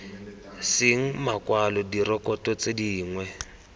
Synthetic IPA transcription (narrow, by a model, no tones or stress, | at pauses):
sɪŋ̩makwalɔdirɔkɔtɔt͡sediːŋwɛ